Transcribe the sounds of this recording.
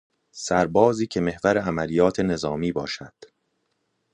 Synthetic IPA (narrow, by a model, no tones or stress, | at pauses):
sæɾbɒːziːcʰe̞me̞hvæɾeæmæliːjɒːt̪ʰe̞ne̞zɒːmiːbɒːʃæd̪̥